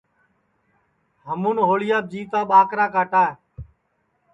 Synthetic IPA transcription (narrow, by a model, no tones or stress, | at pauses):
ɦəmuːnɦoːɭɪjaːb̚d͡ʒiːt̪aːɓaːkɾaːkaːʈaː